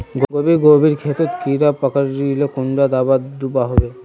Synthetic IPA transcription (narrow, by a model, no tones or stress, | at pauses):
ɡɡobiɡobiɾkʰet̪ot̪kiɾapakaɾilokunɖad̪abad̪upaɦɔbe